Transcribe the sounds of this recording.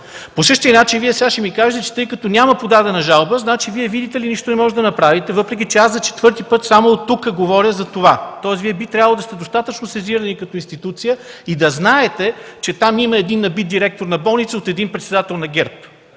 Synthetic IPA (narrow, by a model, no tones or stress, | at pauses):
posɤʃt̪iəinat͡ʃɛviɛsaʃimikaʒɛt̪ɛt͡ʃɛ̥t̪ɤjkət̪ɔnʲaməpod̪ad̪ɛnɐʒalˠbəznat͡ʃiviɛvid̪it̪ɛliniʃt̪onɛmɔʒɛd̪ɐnɐpɾavit̪ɛvɤpɾɛk̬ʲit͡ʃɛaszɐt͡ʃɛ̥t̪vɤɾt̪ipɤt̪samoːt̪ːukəɡovɔɾjəzɐt̪ovat̪ɔɛsviɛbit̪ɾʲavəlˠod̪ɐst̪ɛd̪ost̪at̪ət͡ʃnosɛziɾənikɐt̪ɔinst̪it̪ut̪sijəid̪ɐznaɛt̪ɛt͡ʃɛt̪amiməɛd̪inːɐbit̪̚d̪iɾɛk̚t̪oɾnɐbɔlˠnit̪səot̪ɛd̪inpɾɛt̪sɛd̪at̪ɛlˠnɐɡʲɛɾp